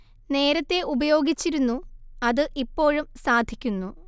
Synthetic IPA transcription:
ne̞ːɾɐt̪ːe̞ʔubɐjo̞ːɡit͡ɕːiɾunːuɐðɨʔipːo̞ːɻumsaːd̪ʱikʲːunːu

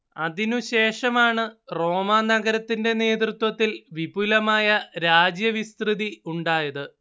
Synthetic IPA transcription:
ɐðinuɕe̞ːʂɐmaːɳɨro̞ːmaːnɐɣɐɾɐt̪ːinde̞ne̞ːt̪rɨt̪wɐt̪ːilʋibulɐmaːjɐɾaːd͡ʑjɐʋist̪rɨðiuɳɖaːjɐðɨ

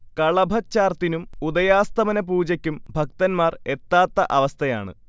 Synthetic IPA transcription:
kɐɭɐbʱɐt͡ɕːaːrt̪inumud̪ɐjaːst̪ɐmɐnɐp̬uːd͡ʑɐkʲːumbʱɐk̚t̪ɐnmaːre̞t̪ːaːt̪ːɐʔɐʋɐst̪ʰɐja̰ːɳɨ̰

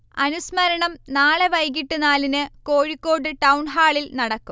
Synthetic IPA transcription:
ɐnusmɐɾɐɳɐmnaːɭeʋɐjɡiʈːɨnaːlinɨkoːɻikːo̞ːɽɨʈɐwɳɦaːɭilnɐɽɐkːum

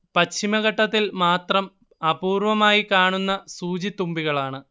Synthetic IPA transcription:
pɐɕʰimɐɣɐʈːɐt̪ːilmaːt̪rɐm | ɐpuːrʋɐmaːjikaːɳunːɐsuːd͡ʑit̪ːumbiɣɐɭaːɳɨ

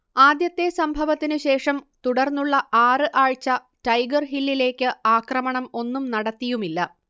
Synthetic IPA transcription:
aːd̪jɐt̪ːe̞sɐmbʱɐʋɐt̪ːinɨɕe̞ːʂɐmt̪uɽɐrnːuɭːɐʔaːrɨʔaːɻt͡ɕːɐ | tɐjɡɐrɦilːile̞ːkʲːɨaːkrɐmɐɳɐmo̞nːumnɐɽɐt̪ːijumilːɐ

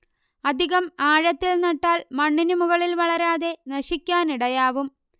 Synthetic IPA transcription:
ɐd̪ʱiɣɐmaːɻɐt̪ːilnɐʈːaːlmɐɳːinumuɣɐɭilʋɐɭɐɾaːðe̞nɐɕikʲːaːniɽɐjaːʋum

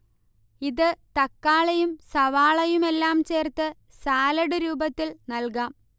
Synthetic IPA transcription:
iðɨt̪ɐkːaːɭɐjumsɐʋaːɭɐjume̞lːaːmt͡ɕe̞ːrt̪ːɨ | saːlɐɽɨɾuːbɐt̪ːilnɐlkaːm

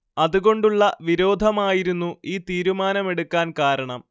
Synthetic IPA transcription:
ɐðuɣo̞ɳɖuɭːɐʋiɾo̞ːd̪ʱɐmaːjiɾunːuiːt̪iːɾumaːnɐme̞ɽukːaːnkaːɾɐɳɐm

